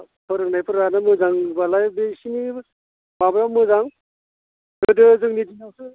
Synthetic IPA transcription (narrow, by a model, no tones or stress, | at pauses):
pʰɯɾɯŋnajpʰɯɾanamɯzaŋbalajbesini | babɾamɯzaŋ | ɡɯdɯzɯŋnidiŋawsɯ